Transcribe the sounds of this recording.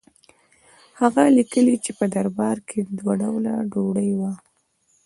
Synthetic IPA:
haɣalikəlit͡ʃepəd̪aɾbɑɾkʰed̪waɖawlaɖoɽəjwa

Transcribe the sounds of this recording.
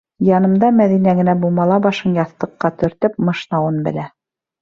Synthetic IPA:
jɑnɤ̆md̪ɑmæðinæɡɘ̆næbulˠmɑlˠɑbɑʃɤnjɑθt̪ɤ̆qːɑt̪ɵ̆ɾt̪ɘp̚mɤ̆ʃnɑwɤnbɘ̆læ

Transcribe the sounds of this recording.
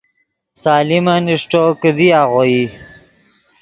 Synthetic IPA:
saːlimaniʂʈokəd̪iaɣoji

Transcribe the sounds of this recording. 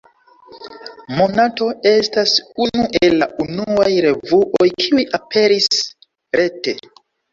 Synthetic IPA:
mo̞nato̞e̞stasunuʔelaʔunuajɾe̞vuʔojkʰiujʔape̞ɾis | ɾe̞te̞

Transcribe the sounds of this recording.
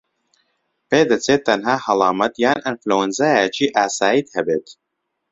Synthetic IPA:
peːd̪ɐt͡seːt̪ːɐnɦaːhɐlˠɑːmɐt̪jaːnɨnfluwɐnzaːjat͡ʃʰiːʔaːsaːjiːt̪hɛbeːt̪

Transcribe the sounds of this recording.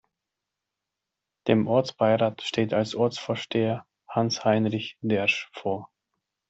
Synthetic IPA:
d̥eːmʔɔɐt͡sb̥aɪʁaːtʃtʰeːtalsʔɔɐt͡sfoːɐʃtʰeːɐ | hanshaɪnʁɪçd̥ɛɐʃfoːɐ

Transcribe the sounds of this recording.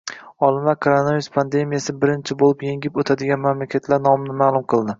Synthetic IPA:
ɒlˠɪmvakʰoɾonavijuspʰand̪e̞mijasɪbɪɾɪnt͡ʃʰɪbolˠɪpjeŋʲɪpot̪ʰad̪ɪɡʲanmamlakʲʰat̪ʰlaɾnɒmnɪmaːlˠʊmqʰɨlˠd̪ɪ

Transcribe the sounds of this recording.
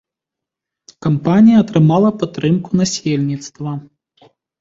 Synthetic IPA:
kampanʲijɐːt̪ɾɨmalˠɐpat̪ːɾɨmkunasʲelʲnʲit̪st̪vɐ

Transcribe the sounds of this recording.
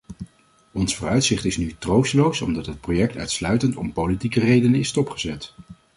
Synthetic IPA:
ɔnsfʊːrœɥtsɪχtɪsnytrowstəlowsɔ̰mdɑtɦət̚projɛk̚tœ̰ɥtslœɥtəntɔmpowlitikərejdənəɪstɔpχəzɛt

